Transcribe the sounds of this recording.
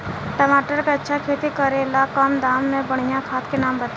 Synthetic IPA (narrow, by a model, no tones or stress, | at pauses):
ʈəmaːʈəɾkeɐtːʃʰakʰeːt̪ikəɾelakəmd̪aːmːẽbəɽ̤ijãkʰaːt̪kenaːmbət̪